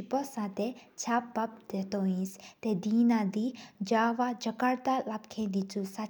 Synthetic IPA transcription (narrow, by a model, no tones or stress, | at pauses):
ipɔsãt̪et͡ʃʰapbɐp̚d̪̥et̪oĩst̪ed̪inad̪id͡ʒaːʋad͡ʒəkaɾt̪alap̚kʰẽd̪it͡susa